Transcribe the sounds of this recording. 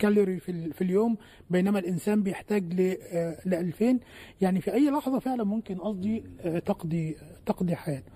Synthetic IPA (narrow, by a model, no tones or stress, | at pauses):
kælːɪɾififiljoːm | bejnæmælʔɪnsæːmbɪjeħt̪æːɡlelɪʔælfeːnjaʕnifiʔæjːlɑħðˤɑfeʕlænmʊmkɪnʔɑsˤd̪ˤit̪ɑqd̪it̪ɑqd̪ˤiħajæːt̪